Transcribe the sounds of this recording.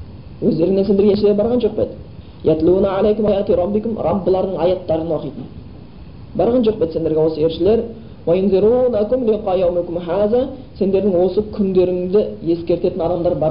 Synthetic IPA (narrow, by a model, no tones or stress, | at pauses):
wɵzd̪e̞ɾɪŋneend̪eɡʲeʃɪleɾbɑɾʁɑnʒo̞q̚pe̞t̪ | jat̪luːnaʕalejkʊmɑjɑt̪iɾˤɑbːikʲʊmɾˤʔɑbːəlˠɑɾd̪əɴɑjɑt̪ːɑɾənwo̞qijt̪ən | bɑɾʁɑnʒo̞q̚pe̞t̪se̞nd̪e̞ɾɡʲewo̞səe̞ɾʃɪle̞ɾ | wajʊnzɨɾuːnakʊmliqɑjawmɪkʲʊmɦaːzæse̞nd̪e̞ɾd̪ɪŋwo̞səkʲʰʏnd̪e̞ɾɪŋd̪ɪje̞skʲe̞ɾt̪e̞t̪ɪnɑd̪ɑmd̪ɑɾbɑɾ